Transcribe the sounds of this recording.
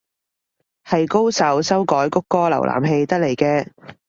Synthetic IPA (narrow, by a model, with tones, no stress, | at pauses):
hɐ˨jko˥wsɐ˨˥wsɐ˥wkɔː˨˥jkʊ˥kːɔː˥lɐ̰˨˩wla̰ː˨˩mɦe˧jt̪ɐ˥k̚le˨˩jkɛː˧